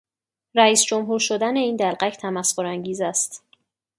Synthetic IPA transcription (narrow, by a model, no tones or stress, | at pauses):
ɾæiːsd͡ʒomɦuːɾʃod̪æne̞iːnd̪ælɢæcʰt̪ʰæmæskoɾæŋɟiːzæst̪